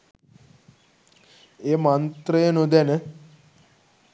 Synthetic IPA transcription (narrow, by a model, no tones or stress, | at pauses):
emãnt̪ɾəenõd̪ɛne